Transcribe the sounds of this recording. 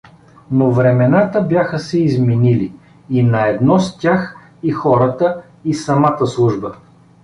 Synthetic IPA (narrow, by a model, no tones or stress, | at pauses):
novɾɛmɛnat̪əbjaxəsɛizminili | inɐɛd̪nɔst̪ʲax | ixɔɾət̪ə | isɐmat̪əslˠuʒbə